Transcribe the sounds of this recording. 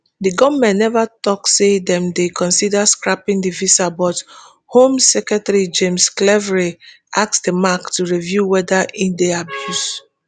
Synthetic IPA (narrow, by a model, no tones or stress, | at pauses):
diɡɔvmɛ̃nnɛvatɔksedɛ̃mdekʰɔ̃nsidaskɹapĩŋdivisabɔt | hõmsɛkɹɛtaɹid͡ʒẽmsklɛvɹi | ʔaksdəmaktuɹivjuwɛdaʔĩndeabjus